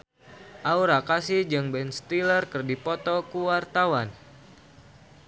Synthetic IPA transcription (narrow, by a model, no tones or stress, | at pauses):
ʔauɾakasid͡ʒɨŋbɛnst̪ilərkɨrdipɔt̪ɔkuwart̪awan